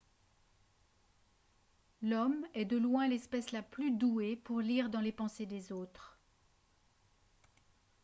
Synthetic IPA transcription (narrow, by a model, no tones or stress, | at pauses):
lɔmɛd̪əlwɛ̃lɛspɛslaplyd̪uepuʁliːʁd̪ɑ̃lepɑ̃sed̪ezoːt̪χ